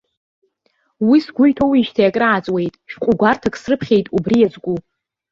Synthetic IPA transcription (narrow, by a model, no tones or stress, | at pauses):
wisɡʷʊjtʰowiʃtʰajakʼraat͡sʼwe̞jtʼʃᶣqʷʼʊɡʷartʰakʼsrɨpʰχʲejtʼubrijazɡʷu